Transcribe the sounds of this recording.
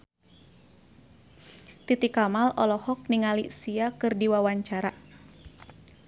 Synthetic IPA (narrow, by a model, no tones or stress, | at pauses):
t̪it̪ikamalɔlɔhɔk̚niŋalḭsiakɨrdiwawaɲt͡ʃaɾa